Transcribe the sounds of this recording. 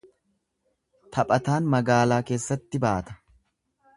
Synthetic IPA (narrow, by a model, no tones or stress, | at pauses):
t̪ʰɐpʼɐt̪aːnmɐɡaːlaːke̞ːsːɐt̪ːɪbaːt̪ɐ̥